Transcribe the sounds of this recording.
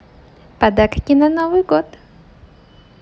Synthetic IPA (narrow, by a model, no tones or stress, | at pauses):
pɐd̪akkʲɪnɐnovɨjɡot̪